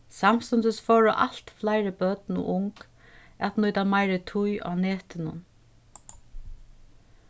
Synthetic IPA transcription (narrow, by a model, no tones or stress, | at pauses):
samst̪ʊnd̪ɪsfɔːɹʊʔa̰l̥t̪flaɪɾɪbœt̪nʊ̰ʔʊŋk | ɛt̪nʊjt̪amaɪɾɪt̪ʰʊjʔa̰nɛːt̪ɪnʊ̰n